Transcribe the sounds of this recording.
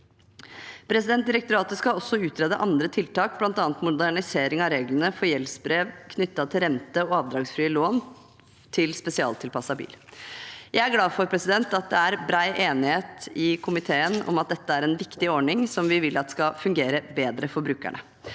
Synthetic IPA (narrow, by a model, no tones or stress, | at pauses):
pʰɾɛsɪd̪ɛnt̪d̪ɪɾɛk̚t̪ʊɾɑːt̪əskɑɔsːɔʉːt̪ɾɛːd̪əʔɑnd̪ɾət̪ʰɪlt̪ɑːk̚blɑnt̪ɑːnt̪mʊd̪æɳɪseːɾɪŋɑɾeːɡlənəfɔɾjɛlsbɾeːʋkʰnʏt̪ːɑt̪ʰɪlɾɛnt̪əɔɑːʋd̪ɾɑːɡsfɾiːəloːn | t̪ʰɪlspɛsɪɑ̰ːlt̪ʰɪlpɑsːɑbḭːl | jæɪæɡlɑːfɔɾpʰɾɛsɪd̪ɛnt̪ɑt̪̚d̪ɛæɾbɾæɪʔeːnɪheːt̪ɪkʰʊmɪt̪ʰeːənɔ̰mɑt̪̚d̪ɛt̪ːəæɾɛnʋɪkt̪ɪɔɳɪŋsɔmʋɪʋɪlːɑt̪skɑfʉŋɡeːɾəbeːd̪ɾəfɔɾbɾʉːkæ̰ɳə̰